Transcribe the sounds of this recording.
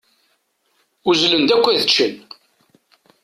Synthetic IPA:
uzlənd̪ækʷːæðət͡ʃːən

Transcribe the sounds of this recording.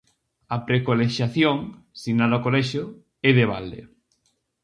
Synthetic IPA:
ɐpɾekoleʃjaθjoŋ | siɣnaðɔkolɛʃo | ɛðeβ̞a̰ld̪ḛ

